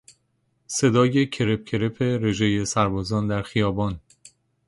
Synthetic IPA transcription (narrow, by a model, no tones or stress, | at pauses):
se̞d̪ɒːje̞cʰe̞ɾep̚cʰe̞ɾepʰeɾe̞ʒejesæɾbɒːzɒːnd̪æɾxijɒːbɒːn